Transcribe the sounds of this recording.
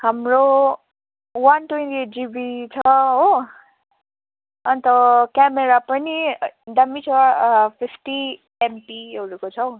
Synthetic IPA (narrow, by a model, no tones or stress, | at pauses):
hamro | wanʈwent̪ieʈ̚d͡zibit͡sʰʌɦo | ʌnit̪ʌkameɾapʌnid̪amit͡sʰʌpʰipʰʈi | empiɦʌɾukot͡sʰʌw